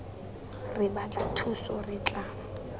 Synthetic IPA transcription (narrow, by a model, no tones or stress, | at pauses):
rɪbat͡ɬʼatʰusɔrɪt͡ɬʼa